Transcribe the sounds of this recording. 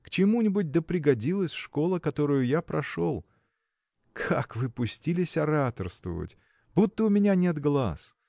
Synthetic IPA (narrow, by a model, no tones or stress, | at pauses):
kt͡ɕɪmunʲɪbʊt̚ʲd̪əpɾʲɪɡɐdʲilˠəsʲʂko̞lˠəkɐt̪o̞ɾʊjʊjapɾɐʂolˠ | kʰakvɨpʊsʲtʲilʲɪsʲɐɾat̪ərst̪və̰və̰tʲ | but̪ːəʊmʲɪnʲanʲet̪ɡlˠa̰s